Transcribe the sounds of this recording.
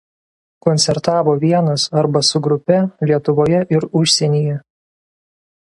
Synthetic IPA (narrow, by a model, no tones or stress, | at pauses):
kɔnʲt̪sʲɛɾt̪ɑːʋoːʋʲiɛnɐsɐɾbɐsʊɡɾʊpʲɛlʲiɛt̪ʊʋoːjɛʔɪɾʊʃʲsʲɛnʲiːjɛ